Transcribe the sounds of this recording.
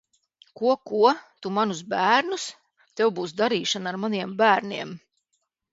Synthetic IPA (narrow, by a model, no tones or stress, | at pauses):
kuɔkuɔt̪umanusbæːɾnus | t̪ewbuːsd̪aɾiːʃanaɾmaniɛmbæːɾniɛm